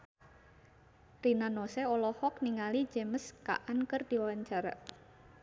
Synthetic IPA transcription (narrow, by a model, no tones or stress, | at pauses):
rinanoseɔlɔhɔk̚niŋalid͡ʒeməska̰ʔankərd̪̥iwaɲt͡ʃaɾa̰ʔ